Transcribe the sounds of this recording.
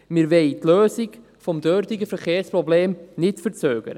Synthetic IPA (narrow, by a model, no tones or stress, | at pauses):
mɪɾʋɛɪtløːsɪk | fɔmdøːɾtɪɡəfɛkeːɾspʁɔbleːmnɪtfəɾt͡søːɡ̥ə̰ɾə